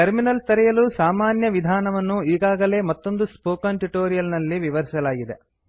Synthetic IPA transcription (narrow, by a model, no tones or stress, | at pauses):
ʈɐɾminɐlt̪ɐɾɛjɐlusaːmaːnjɐʋid̪ʱaːnɐʋɐnːuiːɡaːɡɐle̞ːmɐt̪ːo̞nd̪uspoːkɐnʈuʈoːɾijɐlnɐlːiʋiʋɐɾisɐlaːɡid̪e